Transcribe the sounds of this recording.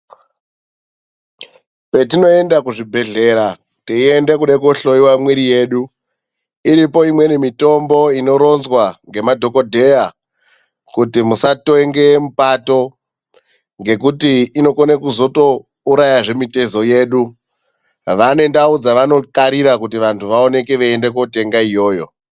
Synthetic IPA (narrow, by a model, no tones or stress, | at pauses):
pe̞tino̞e̞ndakuʐibʱe̞ɮe̞ɾa | tiie̞nde̞kuɗekoɬo̞iwamwiɾije̞ːɗu | iɾipo̞imwe̞nemito̞mbo̞ino̞ɾo̞nzwaŋɡe̞madʱo̞ko̞dʱe̞ja | kutimusatoŋɡe̞mupato̞ | ŋɡe̞kutiːno̞konekuzo̞to̞ | uɾajaʐe̞mite̞zo̞je̞ːɗu | ʋane̞ndaud͡zaʋano̞kaɾiɾakutiʋantʰuʋao̞ne̞keʋeendek̬ote̞ŋɡaijo̞ːjo̞̰